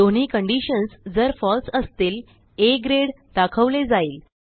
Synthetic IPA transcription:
d̪oɳ̤iːkəɳɖiɕənsd͡zəɾfɔlsəst̪iːl | eɡɾeɽ | d̪akʰəʋled͡zaiːl

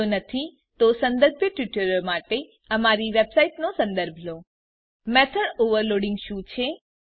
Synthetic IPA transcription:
onət̪ʰi | t̪osə̃nd̪əɾbʱjəʈʋiʈəɾəmaʈe | əmaɾiʋebsaiʈnosə̃nd̪əɾbʱlo | mɛt̪ʰəɽoʋəɾloɽɪŋɡʃũt͡ʃʰe

